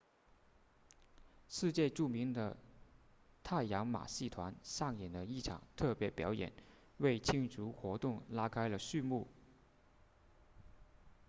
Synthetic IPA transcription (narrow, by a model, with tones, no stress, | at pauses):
ʂɻ̩˥˧t͡ɕjɛ˥˧ʈ͡ʂu˥˩mi˧˥ŋd̪ə̰˧ | t̪ʰa˥˩ɪjɑ˧˥ŋma̰˨˩ɕi˥˩t̪ʰwa˧˥nʂɑ˥˩ŋjɛ˨˩nd̪ə˦i˥˩ʈ͡ʂʰɑ̰˨˩ŋt̪ʰɤ˥˩pjɛ˧˥pjɑ˧˥ʊjɛ̰˨˩˦n | we˥˩ɪt͡ɕʰi˥ŋʈ͡ʂʰu˧˥xwɔ˧˥t̪ʊ˥˩ŋla˥kʰa˥ɪlə˨ɕy˥˧mu˥˩